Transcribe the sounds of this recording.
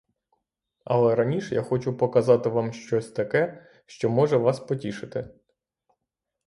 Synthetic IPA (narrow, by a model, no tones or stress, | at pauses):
ɐ̰lˠɛɾɐnʲiʃja̰xɔt͡ʃʊpɔkɐzɑt̪ɪʋɑmʃt͡ʃɔsʲt̪ɐkɛ | ʃt͡ʃɔmɔʒɛʋɑspɔtʲiʃɪt̪ɪ